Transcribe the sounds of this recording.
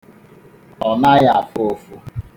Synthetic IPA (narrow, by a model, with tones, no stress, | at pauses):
ɔ˨na˦ja˨fo˨fu˨